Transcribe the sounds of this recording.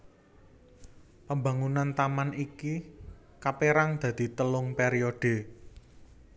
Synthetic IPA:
pəmba̤ŋunant̪amaniki | kapeɾaŋd̪̥ä̤d̪̥i̤t̪əlʊŋpeɾioɖ̥e̤

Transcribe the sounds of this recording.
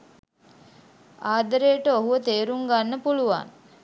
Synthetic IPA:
aːd̪əɾejəʈəoɦuʋət̪eːɾuŋɡanːəpuluʋa̰ŋ

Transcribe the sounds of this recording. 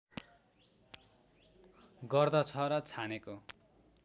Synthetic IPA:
ɡʌrd̪ʌt͡sʰʌɾʌt͡sʰaneko

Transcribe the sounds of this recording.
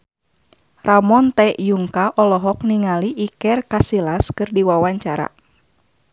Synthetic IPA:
ramɔnt̪ɛjuŋkaʔɔlɔɦɔk̚niŋaliʔːkɛrkasilaskɨrdiwawaɲt͡ʃaɾa̰

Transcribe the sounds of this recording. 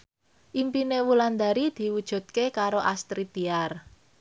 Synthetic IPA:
ʔimpinewuland̪aɾid̪̥i̤wud̥ʒ̥ṳd̪̥̚kekaɾoʔast̪ɾit̪iar

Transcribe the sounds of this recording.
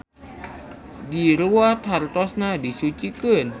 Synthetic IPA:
diɾuwat̪art̪ɔsnadisut͡ʃikən

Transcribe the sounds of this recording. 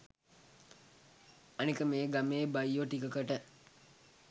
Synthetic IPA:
anikəmeːɡameːbajːʋoʈikəkəʈə

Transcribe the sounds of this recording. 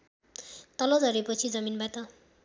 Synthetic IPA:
t̪ʌlʌd͡zʌɾipʌt͡sʰid͡zʌminbat̪ʌ

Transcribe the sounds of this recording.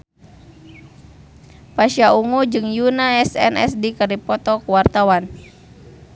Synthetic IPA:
paʃiauŋud͡ʒɨŋjunaɛsɛ̰nɛ̰sdikaripɔt̪ɔkuwart̪awan

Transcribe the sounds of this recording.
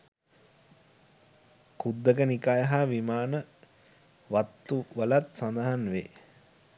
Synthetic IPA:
kud̪ːəɡənikajəɦaʋimaːnə | ʋat̪ːuʋəlat̪sand̪aɦanʋeː

